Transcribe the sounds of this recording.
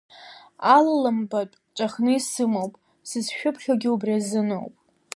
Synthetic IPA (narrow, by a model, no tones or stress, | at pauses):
allɨmbaʈ͡ʂʷʼaχnɨisɨmowpʼ | sɨzʃᶣʊpʰχʲaɡʲɪubriazɨno̰wpʼ